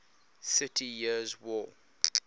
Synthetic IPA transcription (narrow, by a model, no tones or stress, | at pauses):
sɪtʰijizwɔ